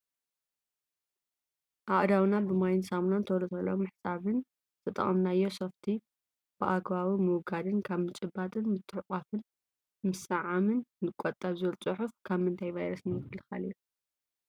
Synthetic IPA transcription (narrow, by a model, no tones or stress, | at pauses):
ʔaʔd̪awnabɨmajnsamnant̪ʰɐwɾɐt̪ʰɐlːomɨħsaβɨn | ɨt̪ʰɐt̪ʼɐ̰χʼɐmnajːo̞soft̪ʰi | b̥ɨʔakβawimɨwɡad̪ɨnkʰaβmɨt͡ʃʼɨbat̪ʼɨnmɨt̪ʰːɨħqʼafɨn | mɨsɨʕamɨnːɨkʼot̪ʼːɐβzɨlt͡sʼɨħufkʰaβmɨnt̪ʰajvajɾɐsnijɪkɨlɨxa̰liju